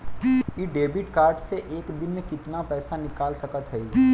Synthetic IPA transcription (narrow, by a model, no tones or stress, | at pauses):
jiɖeːbɪʈkaːɾɖseʔeːkd̪ɪnmẽkɪt̪napɛːsanɪkaːlsɐkət̪ɦɛi